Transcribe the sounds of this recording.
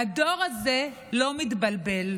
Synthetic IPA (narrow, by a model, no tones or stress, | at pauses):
ad̪o̞ʁaze̞ | lo̞mit̪balbe̞l